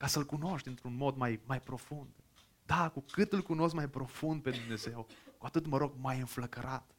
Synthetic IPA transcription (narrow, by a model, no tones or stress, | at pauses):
kasəɨlkuno̞ʃt̪ʲɨnt̪ɾunmo̞d̪majmajpɾo̞fund̪̥ | d̪akukɨt̪ɨlkuno̞s̬kmajpɾo̞fund̪̚pe̞d̪umne̞ze̞wkuat̪ɨt̪məɾo̞ɡ̚majɨnfləkəɾʔat̪